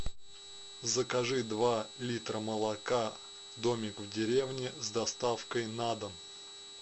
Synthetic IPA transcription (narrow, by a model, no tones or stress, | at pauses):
zəkɐʐɨd̪valʲit̪ɾəməlˠɐka | d̪omʲɪkvdʲɪɾʲevnʲɪzd̪ɐst̪afkəjnad̪əm